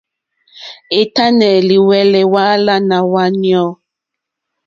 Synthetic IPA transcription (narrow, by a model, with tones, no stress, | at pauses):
e˨ta˦nɛ˨li˨wɛ˨lɛ˨wa˦la˦na˨wa˦ni˦ɔ˦